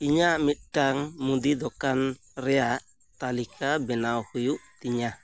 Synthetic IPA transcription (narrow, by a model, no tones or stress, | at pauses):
iɲamiʈaŋmud̪id̪ɔkan | rɛa | t̪alikabɛnaɔkujuʔt̪iɲa